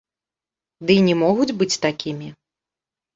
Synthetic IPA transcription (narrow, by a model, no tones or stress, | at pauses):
d̪ɨinʲɛmɔɣud͡zʲbɨt͡sʲt̪akʲimʲi